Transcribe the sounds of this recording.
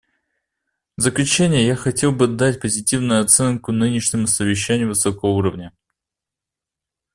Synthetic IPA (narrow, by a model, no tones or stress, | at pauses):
vzəklʲʉt͡ɕænʲɪjəjaxɐtʲe̞lˠbɨd̪atʲpəzʲɪtʲivnʊjʊɐt̪sɛnkʊnɨnʲɪʂnʲɪmʊsəvʲɪɕːænʲɪjʊvɨsokəvəuɾəvnʲə